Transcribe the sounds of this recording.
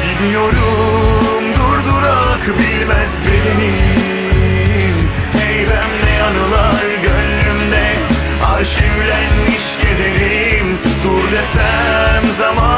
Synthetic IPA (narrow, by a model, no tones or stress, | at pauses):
ɟid̪ijo̞ɾu | md̪uɾd̪uɾakbilʲmæzbenini | m | hejbæmlɛanɯlˠaɾɟønːymd̪ɛ | aɾʃivlʲænmiʃɟed̪eɾim | d̪uɾlesæmzama